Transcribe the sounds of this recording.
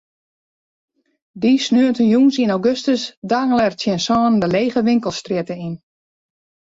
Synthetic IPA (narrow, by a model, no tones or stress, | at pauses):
disnøəntənjuːnsinawɡøstəsdaːŋəlɛrtjɪnsɔːnndəleːɣəʋɪŋkəlˠstrɪtəin